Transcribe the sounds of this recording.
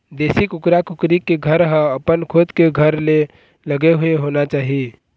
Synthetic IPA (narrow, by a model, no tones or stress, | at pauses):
d̪esikʊkɾakʊkɾikeɡʱəɾɦə̃əpənkʰod̪keɡʱəɾle | ləɡeɦueɦonat͡ʃaːɦi